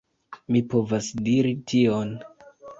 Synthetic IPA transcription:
mipo̞vasdiɾitʰio̞n

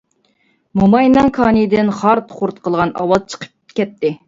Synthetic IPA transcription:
mumɑjnɑŋkʰɑːnɨd̪ɪnχɑɾt̪ʰχʊɾt̪qʰəlˠʁɑnɑ̰wɑzt͡ʃʰə̥qʰə̥p̚kʲɛt̪ːɪ

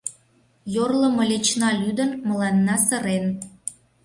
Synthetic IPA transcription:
jorlə̆mɤ̆lʲet͡ɕnɑlʲyd̪ənmə̆lɑnːɑsə̆ɾen

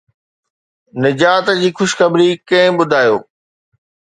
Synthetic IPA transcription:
nɪd͡ʑaːt̪d͡ʑiːxʊʃxɐbɾikɐ̃ɦɪ̃ɓʊd̪ʱaːjoː

